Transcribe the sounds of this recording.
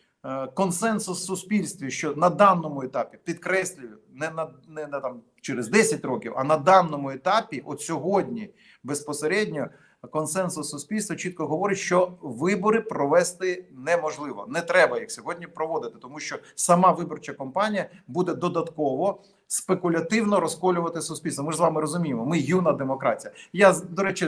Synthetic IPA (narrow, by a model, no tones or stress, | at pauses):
kɔnsɛnsʊsːʊsʲpʲilʲst̪ʋʲiʃt͡ʃɔnɐd̪ɑnːɔmʊet̪ɑpʲipʲid̪kɾɛsʲlʲʊjʊnɛnɐnɛnɛt̪ɑm | t͡ʃeɾezd̪ɛsʲɐtʲrɔkʲiwɐ̰nɐd̪ɑnːɔmʊet̪ɑpʲiʔɔt̪sʲɔɦɔdʲnʲi | bespɔseɾɛdʲnʲɔ | kɔnsɛnsʊsːʊsʲpʲilʲst̪ʋɔt͡ʃit̪̚kɔɦɔʋɔɾɪtʲʃt͡ʃɔʋɪbɔɾɪpɾɔʋɛst̪ɪnɛmɔʒlˠɪʋɔ̰nɛt̪ɾɛbɐjɐksʲɔɦɔdʲnʲipɾɔʋɔd̪ɪt̪ɪ̥t̪ɔmuʃt͡ʃɔsɐmɑʋɪbɔrt͡ʃɐkɔmpɑnʲijɐbud̪ɛd̪ɔd̪ɐt̪kɔʋɔ | spekʊlʲɐt̪ɪwnɔɾɔskɔlʲʊʋɐt̪ɪsʊsʲpʲilʲst̪ʋɔmɪʒzʋɑmɪɾɔzʊmʲijɪmɔmɪjunɐd̪emɔkɾɑtʲijɐjad̪ɔɾɛt͡ʃɪ